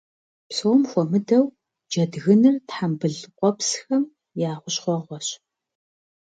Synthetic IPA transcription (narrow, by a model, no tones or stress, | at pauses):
psowmxʷɔmɨdɐw | d͡ʒɐdɣɨnɨrtħambɨɮqʷʼɔpsxɐm | jaːʁʷʊɕχʷɔʁʷɔɕ